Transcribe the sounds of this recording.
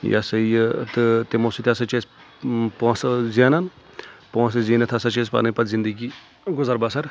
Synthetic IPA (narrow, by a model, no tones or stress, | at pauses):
ja̰sɐjt̪ɨt̪emosut̪ʰʲasɐt͡ʃeːs | poːszaːnɐn | põːsɐziːnɐt̪ʰɐsɐt͡ʃeːs̬pa̰nɐpɐt̪zind̪əɡiː | ɡʊzaɾbasɐɾ